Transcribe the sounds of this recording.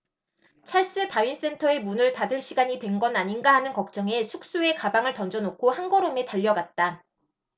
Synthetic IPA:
t͡ɕʰaɭs͈ɯtawɥins͈e̞ntʰʌe̞munɯɭtadɯɭɕʰiɡaɲitwe̞nɡʌnaɲinɡaɦanɯnkʌk̚t͡ɕ͈ʌŋe̞sʰuk̚s͈ue̞kabaŋɯɭtʌnd͡ʑʌnokʰohanɡʌɾome̞taʎːʌɡat̚t͈a

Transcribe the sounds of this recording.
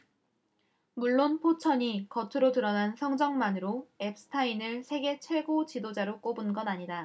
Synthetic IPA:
muɭːonpʰot͡ɕʰʌɲikʌtʰɯɾotɯɾʌnansʰʌŋd͡ʑʌŋmanɯɾoe̞p̚s͈ʰɯ̥tʰainɯɭsʰe̞ɡe̞t͡ɕʰwe̞ɡot͡ɕidod͡ʑaɾok͈obɯnɡʌnaɲida

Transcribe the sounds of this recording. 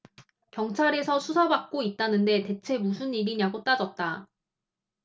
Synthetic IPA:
kjʌŋt͡ɕʰaɾe̞sʰʌsʰusʰabak̚k͈oit̚t͈anɯnde̞te̞t͡ɕʰe̞musʰuniɾiɲaɡot͈ad͡ʑʌt̚t͈a

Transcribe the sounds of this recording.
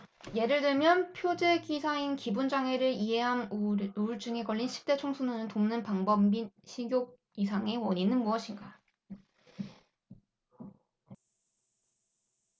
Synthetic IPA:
je̞ɾɯɭdɯɭmjʌnpʰjod͡ʑe̞ɡisʰainkibund͡ʑaŋe̞ɾɯɾiɦe̞ɦanuɭd͡ʑɯŋe̞kʌɭːinɕʰi̥p̚t͈e̞t͡ɕʰoŋsʰunɯnɯntomnɯnpaŋbʌmiɕʰiɡjoɡ̚ | isʰaŋe̞wʌɲinɯnmuʌɕʰinɡa

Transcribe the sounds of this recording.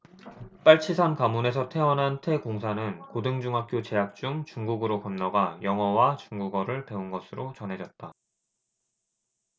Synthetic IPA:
p͈aɭt͡ɕʰisʰankamune̞s̬ʰʌtʰe̞ʌnɦantʰe̞koŋsʰanɯnkodɯŋd͡ʑuŋɦak͈̚ʰjot͡ɕe̞ɦak̚t͡ɕ͈uŋt͡ɕuŋɡuɡɯɾokʌmnʌɡajʌŋɦʌwat͡ɕuŋɡuɡʌɾɯɭpe̞unɡʌsʰɯɾʔot͡ɕʌnɦe̞d͡ʑʌt̚t͈a

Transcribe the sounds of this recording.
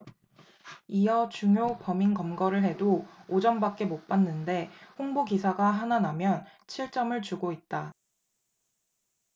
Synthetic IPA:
ijʌt͡ɕuŋjopʌminkʌmɡʌɾɯɭɦe̞dood͡ʑʌnbak͈̚e̞mok̚p͈anːɯnde̞ɸoŋboɡisʰaɡaɦananamjʌn | t͡ɕʰiɭt͡ɕ͈ʌmɯɭt͡ɕuɡoit̚t͈a

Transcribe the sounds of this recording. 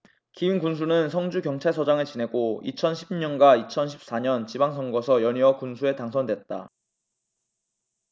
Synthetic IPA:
kiunkuns̬ʰunɯnsʰʌŋd͡ʑukjʌŋt͡ɕʰaɭsʰʌd͡ʑaŋɯɭt͡ɕine̞ɡoḭt͡ɕʰʌnɕʰibiɲʌnɡwait͡ɕʰʌnɕʰi̥p̚s͈aɲʌnt͡ɕibaŋsʰʌŋɡʌsʰʌjʌɲiwʌkunsʰue̞taŋsʰʌndwe̞t̚t͈a̰

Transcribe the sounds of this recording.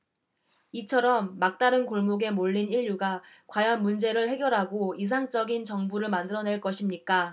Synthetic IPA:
it͡ɕʰʌɾʌmːak̚t͈aɾɯnkoɭmoɡe̞moʎːiniʎːuɡa | kwajʌnmund͡ʑe̞ɾɯɭhe̞ɡjʌɾɦaɡois̬ʰaŋt͡ɕ͈ʌɡint͡ɕʌŋbuɾɯɭmandɯɾʌne̞ɭk͈ʌɕʰimɲik͈a

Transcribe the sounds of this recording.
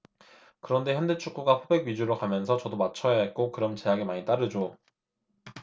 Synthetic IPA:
kɯɾʌnde̞çjʌndet͡ɕʰuk͈uɡaɸʰobe̞ɡɥid͡ʑuɾɯɭkamjʌnsʰʌt͡ɕʌdomat͡ɕʰʌjak͈okɯɾʌmt͡ɕe̞jaɡemaɲit͈aɾɯd͡ʑo

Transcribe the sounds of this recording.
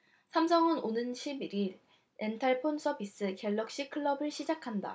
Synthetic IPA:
sʰamsʰʌŋɯnonɯnɕʰibiɾiɾ | entʰaɭpʰonsʰʌbis͈ɯkeɭːʌk̚ɕ͈ikʰɯɭːʌbɯɭɕʰid͡ʑakʰanda̰

